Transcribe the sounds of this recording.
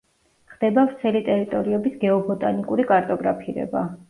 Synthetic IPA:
χd̪̥ɛbavɾt̪sʰɛlit̪ʼɛɾit̪ʼɔɾiɛbisɡɛɔbɔt̪ʼanikʼuɾikʼaɾt̪ʼɔɡɾapʰiɾɛ̰ba

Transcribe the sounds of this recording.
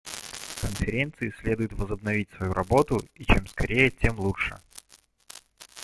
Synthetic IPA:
kənfʲɪɾʲe̞nt̪sɨɪsʲlʲe̞d̪ʊjʊt̪vəzəbnɐvʲitʲsvɐjuɾʔɐbo̞t̪ʊit͡ɕemskɐɾʲʔejətʲe̞mlˠuʂɨ̰

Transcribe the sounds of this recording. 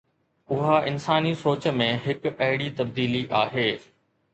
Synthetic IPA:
ʊɦaʔɪnsaːnisoːt͡ɕə̆mẽɦɪkɐɦɪɽit̪ɐb̚d̪iːliʔaːɦeː

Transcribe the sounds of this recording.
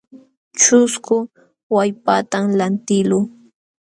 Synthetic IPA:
t͡ʃʊskʊ | wajpat̪amlant̪ɪluː

